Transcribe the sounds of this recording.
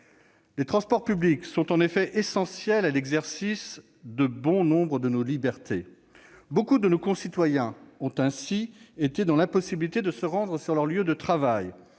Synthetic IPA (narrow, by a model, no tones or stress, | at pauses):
let̪χɑ̃spɔʁpybliksɔ̃t̪ɑ̃nefɛʔesɑ̃sjɛlalɛɡzɛʁsis | d̪əbɔ̃nɔ̃bʁəd̪ənolibɛʁt̪e | bokud̪ənokɔ̃sit̪wajɛ̃ɔ̃t̪ɛ̃siet̪ed̪ɑ̃lãpɔsibilit̪ed̪əsəʁɑ̃d̪ʁəsyʁlœʁljød̪ət̪χavaj